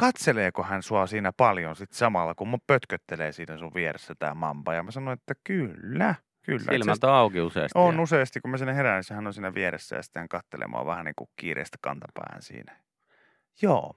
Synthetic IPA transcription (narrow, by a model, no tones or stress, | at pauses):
kɑt̪seleːkohænsuɑsiːnæpɑljonsit̪sɑmɑlːɑkummuppøt̪køt̪ːeleːsiːnæsuʋʋieresːæt̪æ̰ːmɑmpɑːjɑmæsɑnonet̪ːækylːæ | kylːæ̰ilmɑnt̪oɑˑukiusḛˑːsonuseˑɑst̪ikkumæsiːnæherænisːæhænːonsiːnæʋieɾḛsːæ̰jɑ̰si̥t̪ːæŋkɑt̪ːelʔḛmo̰ɑ̰ʋæhænḭːŋkukḭːrḛˑist̪æ̥kɑ̰nt̪ɑpæ̰ːnsḭːnæjɑ | joː